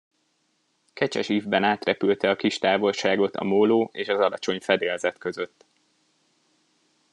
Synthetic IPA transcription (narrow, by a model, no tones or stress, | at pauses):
kɛt͡ʃɛʃiːvbɛnaːt̪rɛpylt̪ɛɒkiʃt̪aːvo̞lʃaːɡo̞t̪ɒ̰moloːeːʃɒzɒlɒt͡ʃo̞ɲfɛd̪eːlzɛt̪kø̞zø̞t̪ː